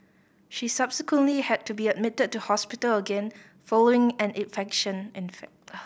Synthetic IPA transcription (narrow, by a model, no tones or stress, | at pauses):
ʃisabsɪkwə̃nʔlihɛd̚tubiəd̚mɪtəd̚tːuhɔspɪtələɡɛ̃n | fɔloɪ̃ŋɛ̃nɪ̃nfɛkʃə̃nɪ̃nfɛk̚